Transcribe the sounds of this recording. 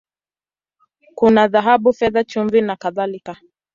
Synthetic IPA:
kunaðaɦaɓufɛðat͡ʃuɱvinakaðalika

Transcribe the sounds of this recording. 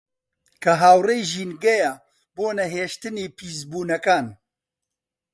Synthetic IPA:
kʰɐɦaːwrejʒiːnɡɐja | boːnɐɦeːʃt̪ɨniːpʰiːzbuːnɐkaːn

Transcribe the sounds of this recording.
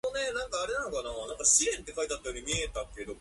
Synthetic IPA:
onenãŋkaːɾenãnokananãŋkaɕiɾẽ̞nt̪ːe̞kait̪at̪ːajoɾʲimʲiet̪ãŋke̞d̪o̞

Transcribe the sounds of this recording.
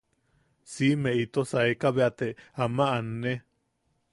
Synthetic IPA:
simẽit̪osaekaβeat̪eamãʔane

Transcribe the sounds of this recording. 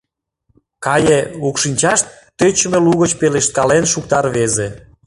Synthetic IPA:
kɑjeukʃinʲt͡ɕɑʃt̪ːøt͡ɕəmeluɣət͡ɕpeleʃt̪̚kɑlenʃuk̚t̪ɑrβeze

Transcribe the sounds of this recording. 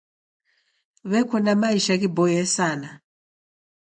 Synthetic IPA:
βɛkʰɔnamaiʃakibɔjɛsana

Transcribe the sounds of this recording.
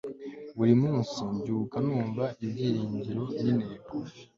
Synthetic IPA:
βuɾimuːnsiɲɟuːkanuːɱvaʔibɟiːɾiːɲɟiɾo̞nineːbofi̥

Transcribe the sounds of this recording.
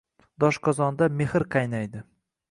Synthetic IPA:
d̪ɒʃqʰɒzɒnd̪ame̞hɨɾqʰɑjnajd̪ɪ

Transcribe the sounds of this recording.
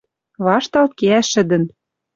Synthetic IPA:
βɑʃt̪ɑlt̪̚keæʃɘ̆d̪ɘ̆n

